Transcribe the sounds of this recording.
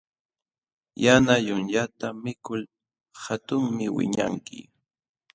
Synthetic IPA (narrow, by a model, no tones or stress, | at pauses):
janajʊnʎat̪amɪkʊl | hat̪ʊŋmɪwɪ̰ɲa̰ŋkɪ̰